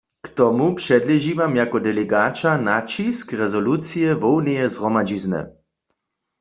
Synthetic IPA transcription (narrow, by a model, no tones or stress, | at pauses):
kt̪ɔmupʃɛdlɛʒivamjakɔdɛlɛɡaːt͡ʃanat͡ʃiskʁɛzɔlut͡sijɛvɔwnɛjɛzʁɔmad͡ʒiznɛ̰